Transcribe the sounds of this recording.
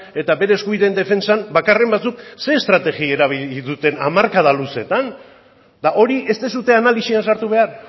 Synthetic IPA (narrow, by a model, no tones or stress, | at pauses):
e̞t̪aβe̞ɾe̞ːskuβiðend̪e̞fe̞nsambakare̞mbat͡sukse̞ːst̪ɾat̪e̞ɣie̞ɾaβ̞iliðut̪e̞na̰maɾkað̞aluse̞t̪an | d̪aʔo̞ɾiʔe̞st̪esut̪e̞analisiansaɾt̪uβe̞ar